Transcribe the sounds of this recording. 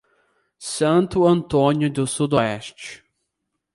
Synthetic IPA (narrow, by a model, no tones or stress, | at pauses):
sɐ̃nt̪ʊɐ̃nt̪õnjʊd̪ʊsud̪ɔɛst͡ʃɪ̥